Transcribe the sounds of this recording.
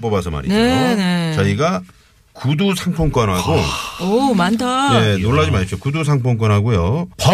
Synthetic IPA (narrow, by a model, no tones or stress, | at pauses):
p͈ʌbasʰʌma̰ɾinenet͡ɕaiɡa | kudusʰaŋpʰoŋk͈ʌnɦaɡoomand͡ʑaje̞noɭːad͡ʑimaɕpɕ͈okudus̬ʰaŋpʰoŋk͈ʌnɦaɡojopʌ